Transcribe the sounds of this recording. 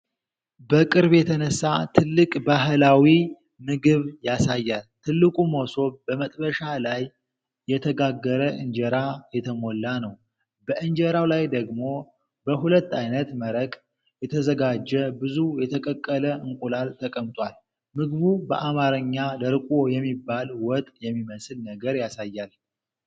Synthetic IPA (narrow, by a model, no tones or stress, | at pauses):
bəkʼɨɾbjɛt̪ʰənəsːat̪ʰɨlːɨkʼbaɦlawi | mɨɡɨβjasajːalt̪ʰɨlːɨkʼumoso̞bəmət̪ʼbəʃalajː | ɛt̪ʰəɡaɡːəɾəʔɨnd͡ʒɛɾajɛt̪ʰəmo̞lːanəw | bəʔɨnd͡ʒɛɾawlajd̪əɡmo̞ | bəɦulət̪ːajnət̪məɾəkʼ | jɛt̪ʰəzəɡad͡ʒːɛbɨzujɛt̪ʰəkʼəkʼːələɨŋkʼulalt̪ʰəkʼəmt̪ʼwal | mɨɡβubə̰ʔamaɾəɲːad̪əɾkʼojɛmːibːalwɔt̪ʼjɛmːiməsɨlnəɡəɾjasajːal